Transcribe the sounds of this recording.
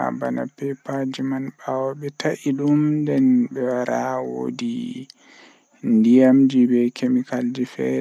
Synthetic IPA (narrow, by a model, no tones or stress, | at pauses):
a̰bana̰pɛpad͡ʒimanɓawɔɓɛtaʔiɗumdɛnbɛwaɾawo̰di | ndijamd͡ʒibɛkʰemikald͡ʒifɛ̰